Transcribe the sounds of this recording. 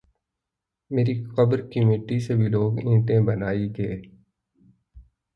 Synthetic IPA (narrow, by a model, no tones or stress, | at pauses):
meːɾiqəbɾkimeːʈisebʱiloːɡĩːʈẽbɐnaːiɡɐeː